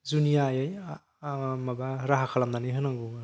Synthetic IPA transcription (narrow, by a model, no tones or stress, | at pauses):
zunijajaj | mabaɾaɦakʰalamnanɯjɦɯnaŋɡu